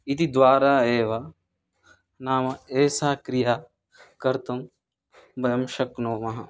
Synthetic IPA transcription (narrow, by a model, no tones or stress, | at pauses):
it̪id̪ʋaːɾaːeːʋa | naːmɐeːsaːkɾiɦaː | kɐɾt̪ɐm | bɐjɐmʃɐknoːmɐɦɐ